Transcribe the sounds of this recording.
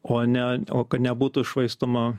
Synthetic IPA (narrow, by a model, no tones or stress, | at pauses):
oːnʲɛoːkɐt̪nʲɛbuːt̪ʊɪʃʋɐɪst̪oːmɐ